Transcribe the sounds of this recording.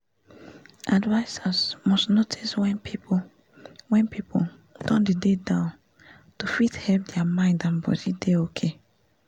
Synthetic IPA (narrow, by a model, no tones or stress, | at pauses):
ʔadvaɪsasmɔstnotʰiswɛ̃npi | wɛ̃npipʰo | d̥ɔ̃ndidedãʊ̃n | tufithɛlp̚dɛamãɪ̃ndãnbɔ̰dideokʰe